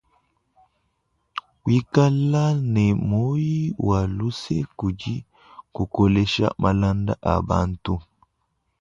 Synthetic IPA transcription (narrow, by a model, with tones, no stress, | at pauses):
wi˦ka˦lːa˦ne˨mo˦ji˦wa˨lu˦se˦ku˨d͡ʒi˦ | ku˨ko˨le˦ʃa̰˦mʔa˨la˦nd̪aʔa̰˨ba̰ː˦nt̪u˦